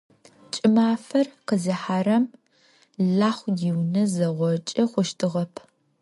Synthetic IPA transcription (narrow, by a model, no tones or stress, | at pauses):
t͡ʃʼɪmaːfɐrqəzɐħaːɾɐm | ɮaːχʷjɪwnɐzɐʁʷɔt͡ʃʼɐχʷʊʃtʰɨʁɐpʰ